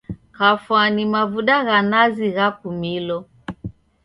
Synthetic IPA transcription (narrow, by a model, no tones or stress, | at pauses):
kafwanimavuɗaɣanaziɣapumilɔ